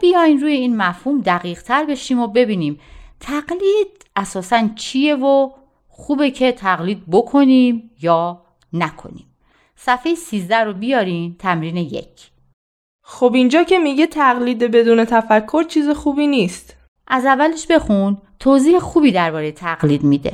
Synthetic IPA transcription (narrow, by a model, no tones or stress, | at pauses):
b̥ijɒːjnɾuːje̞iːnmæfhuːmd̪æɣiːʁt̪ʰæɾbe̞ʃiːmobe̞biːniːmt̪ʰæɢliːd̪̥̚ | æsɒːsænt͡ʃʰije̞vo | xuːbe̞cʰe̞t̪ʰæɣliːd̪̚bokʰo̞niːmjɒː | nækʰo̞̰nḭːm | sæfejesiːzd̪æɾobijɒːɾiːmt̪ʰæmɾiːnejḛcʰ | xobind͡ʒɒːcʰe̞miɟe̞t̪ʰæɣliːd̪ebe̞d̪uːne̞t̪ʰæfækʰːo̞ɾt͡ʃʰiːzexuːbiːniːst̪ | ʔæzævːæleʃbe̞xunt̪ʰoːziːhexuːbiːd̪æɾbɒːɾejet̪ʰæɣliːd̪mid̪ḛ